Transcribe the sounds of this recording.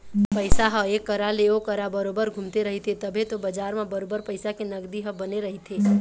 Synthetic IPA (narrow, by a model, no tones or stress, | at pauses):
pəɪjsaɦəekːəɾaleokəɾabəɾobəɾɡʱũmt̪eɾəɦit̪ʰet̪əbʱẽt̪obəd͡ʒaːɾmẽbəɾobəɾpəɪsakenəɡd̪iɦə̃bəneɾəɦit̪ʰe